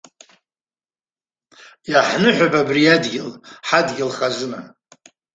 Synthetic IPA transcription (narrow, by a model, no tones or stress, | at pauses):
jaħnɨħʷababriadɡʲɪlħadɡʲɪlχazɨna